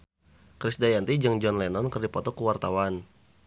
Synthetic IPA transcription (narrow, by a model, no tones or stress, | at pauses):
kɾisdajant̪id͡ʒɨŋd͡ʒɔnlɛnɔnkɨrdipɔt̪ɔkəwart̪awan